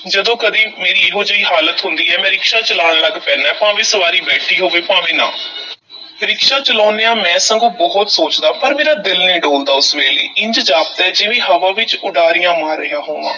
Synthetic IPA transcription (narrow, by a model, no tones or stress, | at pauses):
d͡ʒəd̪õːkəd̪iːmeːɾiːɪɦõːd͡ʒəiːɦaːlət̪ɦʊnd̪iːɛːmɛ̃ːɾɪkʃaːt͡ʃəlaːɽləɡpɛ̃ːnaːpãːʋẽːsəʋaːɾiːbɛːʈʰiːɦoːʋeːpãːʋẽːnã̰ː | ɾɪkʃaːt͡ʃəlɔːneːaːmɛ̃ːsə̃ŋɡõːbɔɦʊt̪soːt͡ʃd̪aːpəɾmeːɾaːd̪ɪlnĩːɖoːld̪aːʊsʋeːlḭːɪ̃ɲd͡ʒd͡ʒaːpət̪ɛːd͡ʒeːʋẽːɦəʋãːʋɪt͡ʃʊɖaːɾijãːmaːɾːəjãːɦoːʋã̰ː